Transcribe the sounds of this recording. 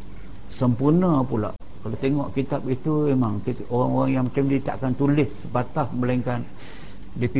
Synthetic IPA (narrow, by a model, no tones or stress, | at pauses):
səmpurnapula̰ʔ | kalat̪eŋɔʔkit̪apit̪umemaŋki | oɾaŋoɣaŋjaŋmat͡ʃamdit̪a̰ʔkant̪ulɪssəpat̪ahəmbəlaiŋkan | dipi